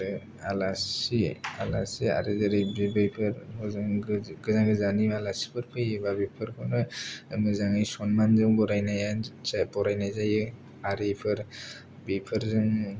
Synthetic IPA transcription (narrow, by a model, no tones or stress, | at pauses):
ɯ | alasiala̰sia̰ɾɯzɯɾɯbebɯjpʰɯɾhɔzɯŋɡɯzaŋɡɯzanibalasi̥pʰɯɾpʰɯjɯbabipʰɯɾkʰɔnɯmɯzaŋɯjsɔnmanzɯŋbɔɾajnajanabɔɾajnajzajɯ | aɾipʰɯɾ | bipʰɯɾzɯŋ